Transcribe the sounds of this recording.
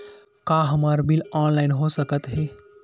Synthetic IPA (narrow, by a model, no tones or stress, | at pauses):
kaɦəmaːɾbilaːnlaɪnɦosəkət̪ɦeː